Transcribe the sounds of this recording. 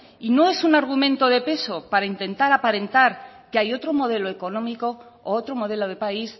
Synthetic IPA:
ino̞e̞sunaɾɣ̞umẽ̞nt̪o̞ðe̞pe̞so̞paɾaint̪e̞nt̪aɾapaɾẽ̞nt̪aɾkeajo̞t̪ɾo̞mo̞ð̞e̞loe̞ko̞nõ̞miko̞ː | ot̪ɾo̞mo̞ð̞e̞lo̞ð̞e̞pais

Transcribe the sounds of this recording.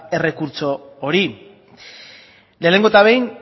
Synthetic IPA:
e̞re̞kuɾt͡so̞ːɾi | le̞ːne̞ŋɡoet̪aβe̞jn

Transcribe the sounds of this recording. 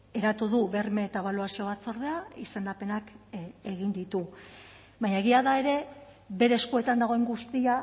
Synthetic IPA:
e̞ɾat̪uðuβe̞rme̞ːt̪aβaluasio̞βat͡soɾð̞e̞aise̞nd̪ape̞nake̞ɣind̪it̪u | βaɲae̞ɣ̞iaðae̞ɾe̞ | βe̞ɾe̞ːskue̞t̪and̪aɣo̞e̞ŋɡust̪ia

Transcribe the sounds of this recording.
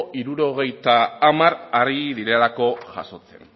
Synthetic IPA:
ʔiɾuɾo̞ɣ̞e̞jt̪aːmaɾariðiɾe̞lako̞ʝa̰so̞t͡se̞̰n

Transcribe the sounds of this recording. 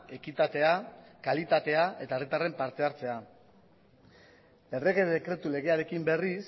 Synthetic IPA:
e̞kit̪at̪e̞akalit̪at̪e̞aʔe̞t̪ae̞rit̪are̞mpaɾt̪e̞aɾt͡se̞a | e̞re̞ɣe̞ðekɾe̞t̪ule̞ɣ̞e̞aɾe̞kimbe̞ris

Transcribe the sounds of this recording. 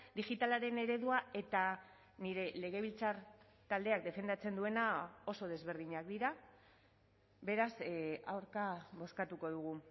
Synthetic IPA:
d̪ixit̪alaɾe̞ne̞ɾe̞ðuae̞t̪a | niɾe̞le̞ɣ̞e̞β̞ilt͡saɾ | t̪ald̪e̞ak̚d̪e̞fe̞nd̪at͡se̞nd̪ue̞nao̞so̞ð̞e̞zβe̞ɾð̞iɲakd̪iɾa | be̞ɾasawɾkaβo̞skat̪uko̞ðuɣ̞u

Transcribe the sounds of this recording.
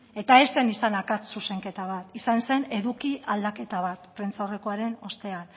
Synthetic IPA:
e̞t̪aese̞nisanakat͡ssuse̞ŋke̞t̪aβ̞at̪isanse̞ne̞ðukiʔald̪ake̞t̪aβ̞at̪pɾe̞nt͡saore̞ko̞aɾe̞no̞st̪e̞an

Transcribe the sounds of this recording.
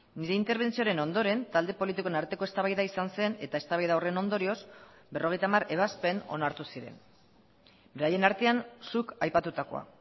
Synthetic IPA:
niɾe̞int̪e̞ɾβ̞e̞nt͡sio̞ɾe̞no̞nd̪o̞ɾe̞nt̪ald̪e̞po̞lit̪ikoenaɾt̪e̞ko̞e̞st̪aβajðaisanse̞ne̞t̪ae̞st̪aβajðawre̞no̞nd̪o̞ɾio̞s | be̞rʔo̞ɣ̞e̞jt̪amareβaspe̞no̞̰naɾt̪usiɾe̞̰n | be̞ɾaje̞naɾt̪e̞ansukajpat̪ut̪ako̞̰a̰

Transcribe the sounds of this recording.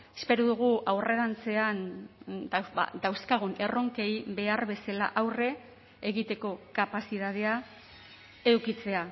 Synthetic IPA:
e̞spe̞ɾuðuɣ̞uawre̞ɾant͡se̞and̪a̰d̪awskaɣ̞une̞ro̞ŋke̞jbe̞aɾβe̞sala̰ʔawre̞ː | ɣit̪e̞ko̞kapasiðað̞e̞a | eukit͡se̞a

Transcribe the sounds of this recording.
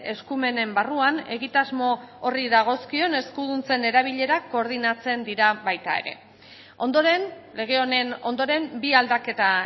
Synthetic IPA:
e̞skume̞ne̞mbaruane̞ɣit̪azmo̞oriðaɣ̞o̞skio̞ne̞skuðunt͡se̞ne̞ɾaβiʎe̞ɾako̞ːɾð̞inat͡se̞nd̪iɾaβajt̪a̰e̞̰ɾe̞̰ | o̞nd̪oɾenle̞ɣ̞eonenond̪o̞ɾe̞mbiald̪ake̞t̪a

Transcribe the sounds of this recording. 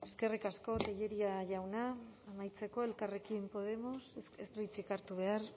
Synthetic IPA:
e̞ske̞rikasko̞t̪eʎe̞ɾiaʝawnaːmajt͡se̞ko̞e̞lkare̞kimpo̞ð̞e̞mo̞sest̪uit͡sikaɾt̪uβ̞e̞ar

